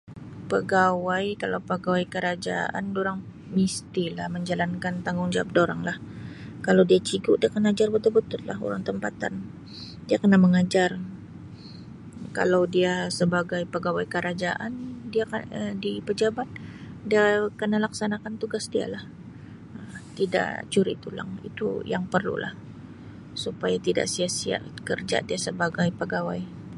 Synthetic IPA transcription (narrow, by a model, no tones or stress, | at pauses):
pəɡawajkalawpəɡawajkəɾad͡ʒa̰ʔa̰ndoɾaŋ | mist̪ilahməɲd͡ʒalankant̪aŋɡʊŋd͡ʒawap̚doɾaŋlah | kalawdiat͡ʃiɡʊʔdiakənaad͡ʒarbət̪ulbət̪ʊt̪̚la̰ɦo̰ɾa̰ŋt̪əmpat̪a̰n | diakənaməŋad͡ʒar | ka̰lawdiasəbaɡajpəɡawajkəɾad͡ʒaʔandiakaədipəd͡ʒabat̪̚ | diakənalaksanakant̪uɡasdia̰lah | ət̪ida̰ʔt͡ʃuɾḭt̪ula̰ŋḭt̪ṵjaŋpərlṵlah | supajat̪ida̰ʔsiasia̰ʔkərd͡ʒa̰diasəbaɡajpəɡawaj